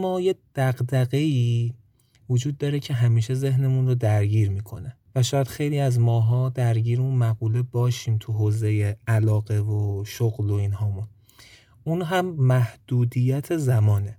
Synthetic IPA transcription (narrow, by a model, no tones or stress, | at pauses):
mɒːjed̪̥æɢd̪æɣe̞iː | vod͡ʒuːd̪̚ːɒːɾe̞cʰe̞ɦæmiːʃe̞ze̞ɦne̞munrod̪æɾɟiːɾmiːkʰo̞ne | væʃɒːjæd̪xe̞jliːæzmɒːɦɒːd̪æɾɟiːɾunmæɣuːlebɒːʃiːmt̪ʰuɦoːze̞jeælɒːɣe̞voʃoɣlo̞inhɒːmun | unɦæmːæhd̪̥uːd̪ijæt̪ʰezæmɒːne